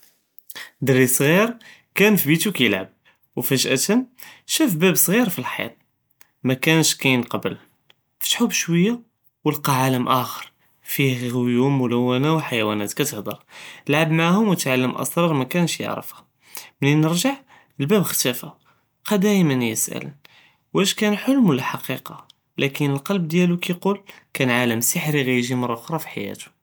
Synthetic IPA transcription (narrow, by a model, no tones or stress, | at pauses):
d̪ərːisˤɣiɾkænfibit̪ukæjəlʕəb̚ | wfæʒʔæt̪ənʃæfbæbsˤɣiɾfilħjɑ̰t̪̚ˤ | mækænʃkæjənqɑbəl | fi̥t̪ħubʃwəjːa | wəlqɑʕaləmʔæxəɾˤ | fiɣʊjumːʊlæwːænæwəħajæwænæt̪kæt̪əhd̪ˤɑɾˤəlʕabmaʕahʊmwət̪ʕalːəmʔɑ̰sˤɾˤɑɾˤmækænʃjə̰ʕɾə̰fhæ | mninəɾʒaʕ | əlbæbxt̪æfæ | qæd̪æjmənjəsʔæ̰lə̰n | wʔæʃkænħʊlmwlæħɑqiqɑ | lʔækənəlqɑlb̚d̪jælukæqul | kænʕaləmsəħɾiɣæjʒimɑrˤːɑʔʊxɾˤɑfi̥ħa̰jæ̰t̪u̥